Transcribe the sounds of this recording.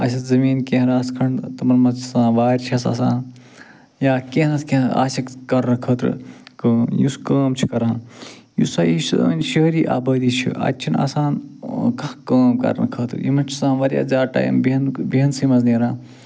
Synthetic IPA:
ɐ̰sʲɐzɐmiːnkẽɦɾaːskʰɐɳt̪ɐmɐɾmɐzt͡ʃʰsãːʋaːɾʲt͡ʃʰɐsa̰ːsaːn | jaːkẽɦnɐskea̰ːsɐkkɐɾɐkʰɐːt̪ɾɨ̰kəmjṵskaːmt͡ʃʰi̥kɐɾãːn | jusaːjisnʃəɦɾiːʔa̰ːbɐːd̪iːt͡ʃʰḭɐ̰tːt͡ʃʰina̰ːsaːnkɐkəːmkɐ̰ɾnkʰɐːt̪ɾjḭmɐnt͡ʃʰi̥sãːʋɐɾʲja̰ːzaːʈa̰ːjḭmbinbiɦɐnsimɐzniːɾãː

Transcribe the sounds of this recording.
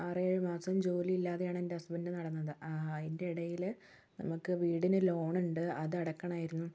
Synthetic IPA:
ɐrɨeːɻɨmaːsɐmd͡ʑo̞ːliilːaːðejaːɳe̞ndeɐsbendɨnɐɽɐnːɐðɨʔende̞iɽɐjil | nɐ̰mukːɨʋiːɽinɨlo̞ːɳuɳɖɨɐðɨɐɽɐkːɐɳaːjiɾunːu

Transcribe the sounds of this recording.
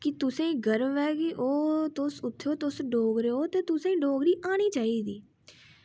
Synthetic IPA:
kɪt̪ʊsẽːɡəɾʋɛːɡiʔoːt̪ʊsʊt̪ʰːeoːt̪ʊsɖoːɡɾeːoːt̪eːt̪ʊsẽːĩːɖoːɡɾiːʔaːɽ̃iːt͡ʃaːiːd̪iː

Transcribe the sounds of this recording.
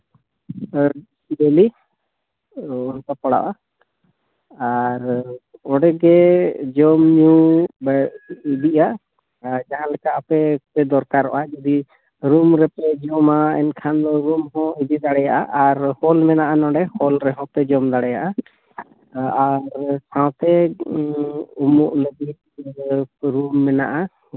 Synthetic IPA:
sibeli | ɔnk̪apɔɽa̰ʔa | aɾɔ̃ɖɛɡɛd͡ʒɔmɲubid̪iʔa | d͡ʒaɦãlɛkaapɛpɛd̪ɔɾkaɾːɔ̰ʔad͡ʒɔd̪i | ɾumɾɛpɛd͡ʒɔmaɛ̰nkʰand̪ɔɾumɦɔ̃id͡ʒid̪aɽɛjaʔaʔaɾhɔlmɛnaʔanɔ̃ɖɛhɔlɾɛɦɔ̃pɛd͡ʒɔmd̪aɽɛja̰ʔa | aɾsãw̃t̪ɛ | umuʔnɛd̪i | ɾumːɛna̰ʔa

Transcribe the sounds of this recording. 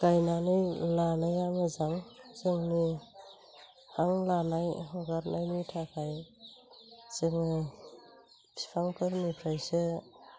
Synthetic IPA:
kajnanɯjlanajamɯzaŋzɯŋni | haŋlanajɦɔɡaɾnajnitʰakʰaj | z̥ɯŋi | pʰi̥pʰaŋkʰɯɾnipʰɾajsɯ

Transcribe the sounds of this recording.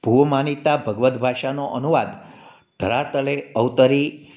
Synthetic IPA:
b̥ʱuʋmanit̪abʱəɡʋət̪bʱaʃanoʔənuʋad̪ | d̪ʱəɾat̪əleəwt̪əɾi

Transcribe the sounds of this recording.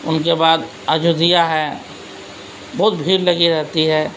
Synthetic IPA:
ʊnkebaːd̪ | əd͡ʒud̪ijaɦɛ | bɔːʊt̪̚bʱiːɾlɐɡiɾɛɦt̪iɦɛː

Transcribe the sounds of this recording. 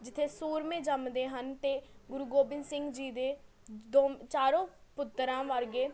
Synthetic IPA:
d͡ʒɪt̪ʰːeːsuːɾmẽːd͡ʒəmd̪eːɦənt̪eːɡʊɾuːɡoːbɪ̃nsɪŋɡd͡ʒiːd̪eː | d̪oːt͡ʃaːɾõːpʊt̪ːɾãːʋəɾɡeː

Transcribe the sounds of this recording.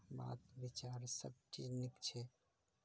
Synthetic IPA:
ba̰t̪bit͡ʃaɾsəb̚t͡ʃid͡ʒnipt͡ʃʰɛ

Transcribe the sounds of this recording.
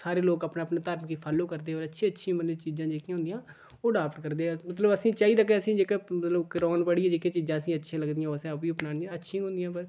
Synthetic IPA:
saːɾeːloːkapnaːəpnaːt̪əɾmkiːpʰaːloːkəɾd̪eːoːɾətːʃʰĩːətːʃʰĩːmənit͡ʃiːzãːd͡ʒeːkijãɦʊ̃nd̪ijãː | oːɖaːpʈkəɾd̪eːɛmət̪ləbəsĩːt͡ʃaːiːd̪aːk̬ɛəsĩːd͡ʒeːkeːmət̪ləbkəɾɔːnpəɽiãːd͡ʒeːkẽːt͡ʃiːzãːəsĩːətːʃʰãːləɡd̪ɪjãːsẽəpiːʊpnaːnətːʃʰĩːɦʊ̃nd̪ɪjãːpəɾ

